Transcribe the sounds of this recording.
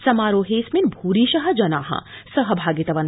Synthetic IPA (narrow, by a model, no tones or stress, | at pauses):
sɐmaːɾoːɦeːsminbʱuːɾiːʃɐɦɐ̆d͡ʒɐnaːɦɐ̰sɐɦɐ̆bʱaːɡit̪ɐʋɐn